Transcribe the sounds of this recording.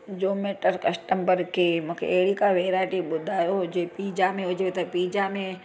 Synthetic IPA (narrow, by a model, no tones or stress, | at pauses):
d͡ʒoːmeːʈəɾkɐsʈəmbəɾkʰemũːkʰḛːɦɽikaʋeːɾaːɪʈiɓʊd̪ʱaːjod͡ʒeːpiːd͡ʒamẽʊd͡ʒʱʋet̪ɐpiːd͡ʒamẽ